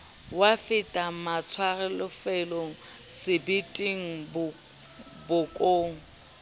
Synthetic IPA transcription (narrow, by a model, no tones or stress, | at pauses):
wafɪtʼamat͡sʰwarɛlʊfɛloŋ̩ | sɪbitʼiŋ̩bʊ | bʊkʼoːŋ̩